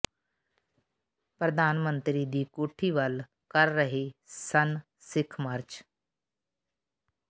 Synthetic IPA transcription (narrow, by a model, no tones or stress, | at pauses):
pɾəd̪ʱaːnmə̃nt̪ɾiːd̪iːkoːʈʰiːʋəl | kəɾːəɦesən | sɪkʰməɾt͡ʃ